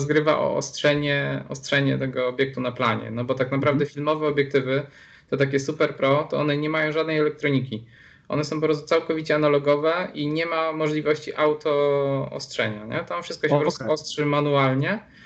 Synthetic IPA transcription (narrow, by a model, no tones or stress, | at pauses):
zɡɾɘva̰ʔɔ̰ɔ̰stʂɛɲɛɔ̰stʂɛɲɛt̪ɛɡɔːbʲjɛk̚t̪unapla̰ɲɛ̰nɔbɔt̪aknapɾavd̪ɛfʲilmɔvɛɔbʲjɛk̚t̪ɘvɘ | t̪ɔt̪akʲɛsupɛɾpɾɔt̪ɔɔnɛɲɛmajɔ̃w̃ʐad̪nɛjɛlɛk̚t̪ɾɔɲikʲi | ʔɔ̰nɛsɔ̃w̃p̬ɔpɾɔst̪u̥t̪awkɔvʲit͡ɕɛanalɔɡɔvɛiɲɛmamɔʐlʲivɔɕt͡ɕiʔawt̪ʰɔɔ̰stʂɛ̰ɲaɲɛt̪amfʂɘst̪kɔɕɛpɾɔɔst̪uɔstʂɘmanualɲɛ